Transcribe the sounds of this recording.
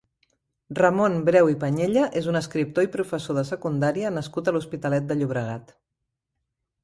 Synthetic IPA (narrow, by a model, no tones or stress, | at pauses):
rəmonbɾɛwipəɲeʎəʔezunəskɾip̚t̪oipɾufəsoðəsəkund̪aɾiənəskut̪əluspit̪əlɛt̪̚d̪əʎuβ̞ɾəɣ̞at̪